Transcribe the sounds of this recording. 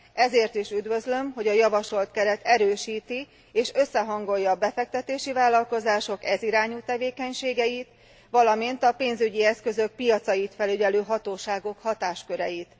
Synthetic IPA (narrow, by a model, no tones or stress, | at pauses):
ɛzeːrt̪iʃyd̪ʋø̞zlø̞mɦo̞ɟɒjɒvɒʃo̞lt̪kɛɾɛt̪ɛɾøːʃiːt̪i | eːʃø̞sːɛɦɒŋɡo̞jːɒːbɛfɛk̚t̪ɛt̪eːʃivaːlːɒlko̞zaːʃo̞kɛziɾaːɲuːt̪ɛveːkɛɲʃeːɡɛjit̪ | ʋɒlɒmint̪ɒpeːnzyɟiɛskø̞zø̞k̚pijɒt̪sɒjit̪fɛlyɟɛløːɦɒt̪oːʃaːɡo̞khɒt̪aːʃkø̞ɾɛjit̪